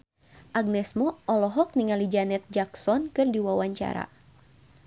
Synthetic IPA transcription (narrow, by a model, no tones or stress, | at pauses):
ʔaɡ̚nɛsmɔʔɔlɔɦɔk̚niŋalid͡ʒanɛt̪̚d͡ʒaksɔnkɨrdiwawaɲt͡ʃa̰ɾa̰